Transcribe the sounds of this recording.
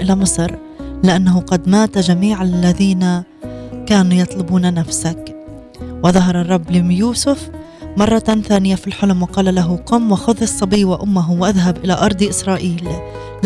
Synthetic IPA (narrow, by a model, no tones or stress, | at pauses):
ʔɪlamɨsˤɾ | lɪʔanːaɦʊqɑd̪maːt̪aʒamiːʕalːaðiːna | kaːnujɑt̪ˤlʊbuːnanafsak | wɪðɑɦɑɾˤɑrˤːɑbːlɪmjuːsʊf | mɑrˤːɑθaːnɪjafilħʊlʊmwɪqɑːlalaɦʊqʊmːwɪxʊðˤɨsˤːɑbiːwɪʔʊmːaɦʊwʔaðɦabʔɪlaʔɑɾˤd̪ˤʔɪsɾˤɑːʔiːl